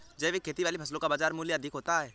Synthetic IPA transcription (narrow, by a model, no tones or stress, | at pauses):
d͡ʒɛːʋekʰːeːt̪iʋaːlipʰɐslõkabaːd͡ʒaːɾmuːljəɐd̪ʱɪkɦoːt̪aɦɛː